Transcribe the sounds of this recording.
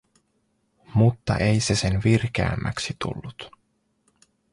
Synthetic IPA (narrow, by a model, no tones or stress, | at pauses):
mut̪ːɑ̰ʔe̞jse̞se̞nʋirk̟ḛæ̰mːæksit̪ṵlːut̪